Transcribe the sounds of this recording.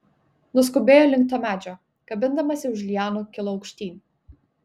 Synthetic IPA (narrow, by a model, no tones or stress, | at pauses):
nʊskʊbʲeːjoːlʲɪŋk̚t̪oːmʲæːd͡ʒʲoː | ɡ̥ɐbʲɪnd̪ɐmɐsʲɪʊʃlʲijæːnukʲɪlˠoɒʊkʃʲt̪ʲiːnʲ